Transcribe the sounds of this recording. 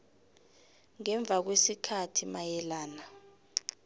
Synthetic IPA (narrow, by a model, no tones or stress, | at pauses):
ŋɛɱb̪vʱak̬wesikʰatʰimajɛlaːna